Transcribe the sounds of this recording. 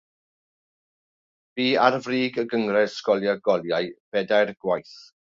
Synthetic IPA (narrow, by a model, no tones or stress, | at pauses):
b̥iːarvriːɡəɡəŋrɛ̥skɔlˠjaɡɔlˠjaɨb̥ɛdajrɡ̥wajθ